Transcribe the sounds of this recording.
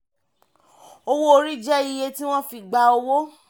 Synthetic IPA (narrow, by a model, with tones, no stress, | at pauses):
o˧wo˦o˧ɾi˦d͡ʒɛ˦i˧je˧ti˦w̃ɔ̃˦fi˧˨ɡ͡ba˧o˧wo˦